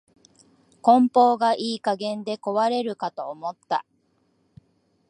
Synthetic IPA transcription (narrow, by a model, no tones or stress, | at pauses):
kõ̞mpo̞ːɡaʔiːkaɡẽ̞nd̪e̞ko̞βaɾe̞ɾɯ̟kat̪o̞ːmo̞t̪ːa̰